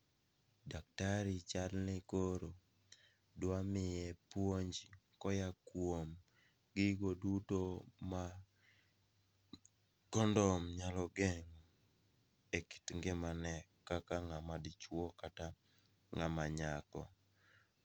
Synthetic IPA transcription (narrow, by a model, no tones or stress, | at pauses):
dak̚taɾit͡ʃalnɪkoɾo | dwamɪjɛpwoɲd͡ʒi | kɔjakwom | ɡɪɡodutoma | kɔndɔmɲalɔɡeŋu | eki̥tŋɡɪmanɛkakaŋamadɪt͡ʃwɔkata | ŋamaɲakɔ̰